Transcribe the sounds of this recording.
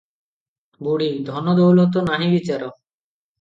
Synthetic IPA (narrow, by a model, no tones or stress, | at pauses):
buɽid̪ʱɔnod̪owlot̪̬onaɦibit͡ɕaɾok̚